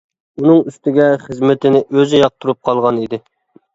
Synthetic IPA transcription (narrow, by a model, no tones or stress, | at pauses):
unɨŋyst̪ɪɡʲɛχəzmɪt̪ʰɪnɪʔøzɪjɑq̚t̪ʰuɾup̚qʰɑlˠʁɑnid̪ɪ